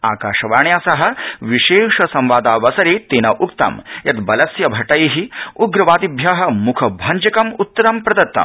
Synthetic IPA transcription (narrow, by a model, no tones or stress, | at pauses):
a̰ːkaːʂɐʋaːɳjaːsɐɦɐ̆ʋiʃeːʂɐsɐmʋaːd̪aːʋɐsɐɾeːt̪eːnɐʔukt̪ɐ̰mjɐt̪bɐlɐsjɐbʱɐʈɐjiɦiuɡɾɐʋaːd̪ibʱjaɦɐ̆mukʰɐbʱɐɲd͡ʒɐkɐmut̪ːɐɾɐmpɾɐd̪ɐt̪ːɐ̰m